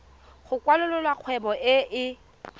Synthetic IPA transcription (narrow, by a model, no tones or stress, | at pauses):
χʊkwalʊlʊlwaq͡χʰwɛbɔʔɪʔɪ